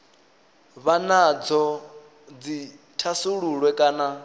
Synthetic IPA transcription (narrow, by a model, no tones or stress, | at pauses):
βanad͡zɔ | d͡zi | tʰasuɺuɺwɛkʼaːna